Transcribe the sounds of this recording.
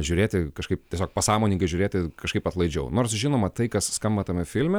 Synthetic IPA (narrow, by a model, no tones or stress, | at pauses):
ʒʲuːɾʲeːt̪ʲɪkɐʃkɐɪptʲiɛsʲoːk̚pɐsɑːmoːnʲɪŋkɐɪʒʲuːɾʲeːt̪ʲɪkɐʃkɐɪpɐt̪lˠɐɪd͡ʒʲɛʊnoːrsʒʲɪnoːmɐt̪ɐɪkɐsskɐmbɐt̪ɐmʲɪfʲɪlʲmʲɛ